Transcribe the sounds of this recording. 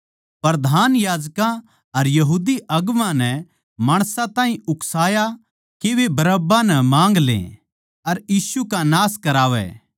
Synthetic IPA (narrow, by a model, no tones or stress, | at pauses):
pɾɐd̪ʱaːnjaːd͡ʒkã | ɐɾjɐɦuːd̪iʔɐɡmãnɛ | maːɽ̃sãt̪ãːɦĩʊksaːja | keʋebɐɾəbãnɛmãːŋɡlḛ̃ | ɐɾjiːsukanaːskɐɾaːʋɛ̰ː